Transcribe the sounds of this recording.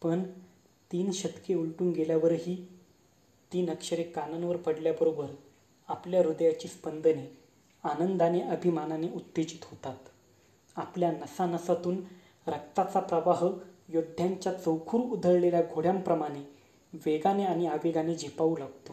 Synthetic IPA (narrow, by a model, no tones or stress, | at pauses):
pəɳ | t̪iːnɕət̪keuɭʈuːnɡeljaʋəɾɦiː | t̪iːnəkɕəɾekːanənʋəɾpəɽljabəɾobəɾ | apljaɾud̪jat͡ɕiːspənd̪əne | anənd̪aneʔəbʱimananeut̪ːed͡ʑit̪ɦot̪at̪ | apljanəsanəsat̪uːn | ɾəkt̪at͡sapɾəʋaɦjod̪ʱːjaɲt͡ɕjat͡səwkʰuːɾud̪ʱəɾleljaɡʱoɽjãmpɾəmaɽ̃e | ʋeɡaneaɽ̃iaʋeɡaned͡ʑʱepauːlaɡt̪o